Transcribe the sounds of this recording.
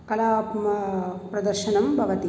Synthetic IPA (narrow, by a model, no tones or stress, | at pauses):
kɐlaːpmɐpɾɐd̪ɐɾʃɐnɐmbʱɐʋɐt̪i